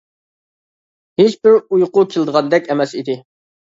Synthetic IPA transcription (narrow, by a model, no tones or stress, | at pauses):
het͡ʃbɪɾujqʊkʲʰelˠd̪əʁɑnd̪ɛkʲɛmɛsid̪ɪ